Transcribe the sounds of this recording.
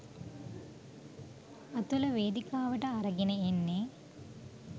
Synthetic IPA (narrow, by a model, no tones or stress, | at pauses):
ɐt̪ulɐʋeːd̪ikaːʋɐʈɐːɾɐɡinɐenːeː